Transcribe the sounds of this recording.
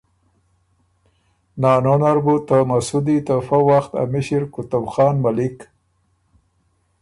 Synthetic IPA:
nɑːnonaɾbut̪əmasud̪it̪əfawaxt̪a̰mɪʃiɾkʊt̪ʊbxɑːnmalik

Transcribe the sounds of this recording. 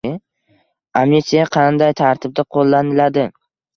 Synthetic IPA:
ɪ | amnet̪sijaqʰɑnd̪ajt̪ʰaɾt̪ʰɪb̚d̪aqʰolˠːanɪlad̪ɪ

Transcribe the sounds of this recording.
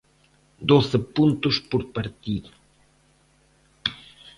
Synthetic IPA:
d̪oθɪpũnt̪ʊspoɾpaɾt̪iðʊ

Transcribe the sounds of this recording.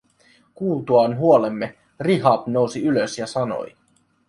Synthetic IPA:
kuːlt̪uɑnɦuolemːe | riɦɑpnowsiyløsjɑsɑno̞̰j

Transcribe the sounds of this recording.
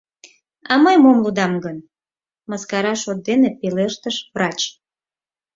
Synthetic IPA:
ɑməjmomlud̪ɑmɡən | mɑskɑɾɑʃot̪̚d̪enepeleʃt̪əʃvrɑt͡ɕ

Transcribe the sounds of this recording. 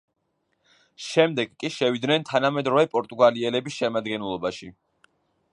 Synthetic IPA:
ʃɛmd̪ɛɡkʼːiʃɛvid̪nɛnt̪ʰanamɛd̪ɾɔvɛpʼɔɾt̪ʼuɡaliɛlɛbisʃɛmad̪ɡɛnlˠɔbaʃi

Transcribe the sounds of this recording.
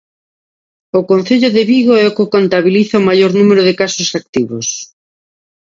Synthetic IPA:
ʊkonθeʎoðɪβiɣoɛokɪkont̪aβiliθaomajoɾnumeɾʊðɪkasosak̚t̪iβos

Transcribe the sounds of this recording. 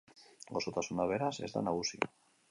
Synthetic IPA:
ɡosot̪asunaβeɾase̞zd̪a̰naɣ̞usi

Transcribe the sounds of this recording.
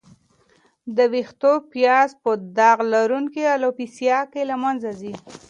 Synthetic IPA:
d̪əwixt̪opjɑzpəd̪ɑɣlaɾuŋkialopisjɑkelamanzazi

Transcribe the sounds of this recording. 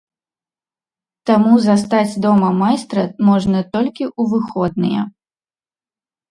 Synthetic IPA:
t̪amuzast̪ad͡zʲd̪ɔmɐmajst̪ɾɐmɔʐnɐt̪ɔlʲkʲiʔuvɨxɔd̪̚nɨjɛ̰

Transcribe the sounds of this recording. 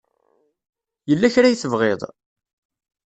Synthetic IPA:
jəlːæçɾajθəvʁeðˤ

